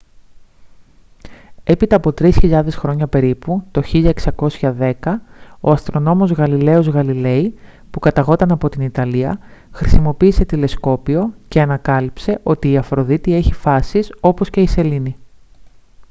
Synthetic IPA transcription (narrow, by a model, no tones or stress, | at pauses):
e̞pit̪ɐːpo̞t̪ɾisçiʎɐðe̞sxɾo̞ɲɐpe̞ɾiput̪o̞çiʎɐeksɐko̞sçɐðe̞kɐo̞ɐst̪ɾo̞no̞mo̞zɣɐlile̞o̞zɣɐlile̞i | pukɐt̪ɐɣo̞t̪ɐnɐpo̞t̪init̪ɐliɐxɾisimo̞piːse̞t̪ile̞sko̞pio̞ceɐnɐkɐlipse̞ʔo̞t̪iːɐfɾo̞ðit̪ie̞çifɐsiso̞po̞sce̞ise̞lini